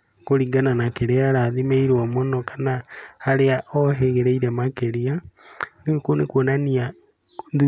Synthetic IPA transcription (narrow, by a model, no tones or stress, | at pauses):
koɾiɡananakeɾeaɾaðimeiɾwamonɔkʰanahaɾeaʔɔɦeɣeɾeiɾemakeɾianekonekwonania | ði